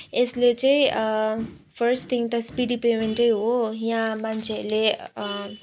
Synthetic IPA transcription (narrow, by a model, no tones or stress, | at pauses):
eslet͡sãĩ | pʰəɾsʈt̪ʰiŋt̪aspiɖipemeɳʈəjɦoɦj̃ãmant͡ʃʰeəle